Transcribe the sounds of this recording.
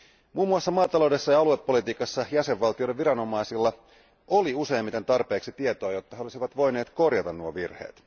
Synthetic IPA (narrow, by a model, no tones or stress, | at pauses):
muːmːuɑsːɑmɑːt̪ɑlo̞wde̞sːɑjɑɑluepːo̞lit̪iːkɑsːɑjæseʋʋɑlt̪iodeʋʋiɾɑno̞mɑisilːɑ | ʔoliuse̞ːmːit̪e̞nt̪ɑrpe̞ːksit̪iet̪oɑjo̞t̪ːɑɦeo̞lisiʋɑt̪ʋo̞jneːt̪ko̞rjɑt̪ɑnnuoʋirhḛːt̪